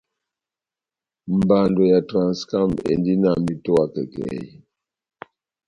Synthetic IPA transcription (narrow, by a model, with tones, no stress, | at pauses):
m̩˨ba˨ndɔ˨ja˨tɾa˨nska˦˨mḛ˨ndi˦na˦˨mi˨tɔ˦a˦kɛ˨kɛ̰˨j